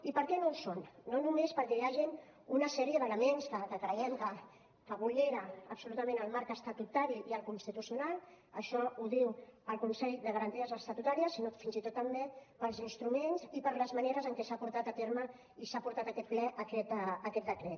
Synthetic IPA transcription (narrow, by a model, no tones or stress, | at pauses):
ipəɾkɛnowsonːonumespəɾkɛjaʒin | unəsɛɾiəðələmenskəkəkɾəɛmkə | kəβuʎeɾəəpsulut̪əmẽnəlˠmaɾkəst̪at̪ut̪aɾiiəlˠkunst̪it̪usijunalˠ | əʃɔuð̞iwəlˠkunsɛʎðəɣəɾənt̪iəzəst̪ət̪ut̪aɾiəsinofinzit̪ot̪ːəmbepəlˠzinst̪ɾumenzipəɾləzməneɾəzəŋkɛsapuɾt̪at̪ət̪eɾmə | isapuɾt̪at̪akɛt̪̚plɛʔəkɛt̪əkɛt̪̚d̪əkɾɛt̪